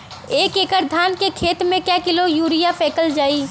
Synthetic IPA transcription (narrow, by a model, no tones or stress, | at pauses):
eːkeːkəɾd̪ʱaːnkekʰeːt̪mẽkjakɪlojuːɾijapʰeːkəld͡ʒaːiː